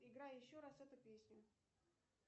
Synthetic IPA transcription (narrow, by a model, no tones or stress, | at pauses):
ɪɡɾajjɪɕːoɾasvɛt̪ʊpʲesʲnʲʊ